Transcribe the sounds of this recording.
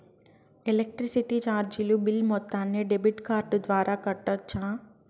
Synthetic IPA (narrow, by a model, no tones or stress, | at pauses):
elek̚ʈɾisiʈit͡ʃaːɾd͡ʒilubilmɔt̪ːaːnːeɖebiʈkaːɾʈud̪ʋaːɾʔaːkɐʈːɐt͡ʃːaː